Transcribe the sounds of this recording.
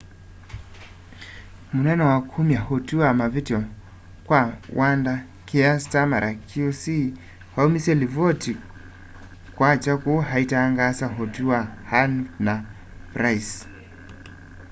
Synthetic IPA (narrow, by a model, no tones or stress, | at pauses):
munɛnɔwakʰumiahɔtuamavitiɔ | kwawanda | kiastamaɾʔakiusi | haumisɛlivɔti | kwat͡ʃakuɦaitaːŋɡasaɦɔtuahanna | pɾais